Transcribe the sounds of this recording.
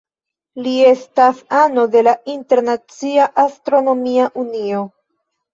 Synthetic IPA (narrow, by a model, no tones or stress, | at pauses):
lie̞stasano̞de̞lainte̞ɾnat͡siaʔastɾo̞no̞miaʔunio̞